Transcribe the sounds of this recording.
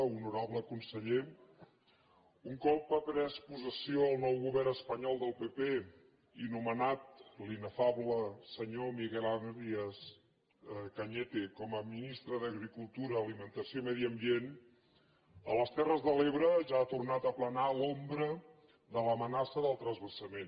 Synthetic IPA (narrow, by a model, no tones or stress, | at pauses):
unuɾaβləkunsəʎe | uŋkɔpːəpɾɛspuzəsioəlˠnɔwɣuβɛrnəspəɲɔlˠd̪əlˠpepe | inumənat̪̚linəfaβləsəɲomiɣɛlanɾiəs | kəɲet̪ekɔməminist̪ɾəðəɣɾikulˠt̪uɾəːlimənt̪əsiomɛðiəmbien | ə̰ləst̪ɛrəzðəleβɾəʒaːt̪urnat̪əplənalombɾə | ðələmənasəðəlˠt̪ɾəzβəsəmen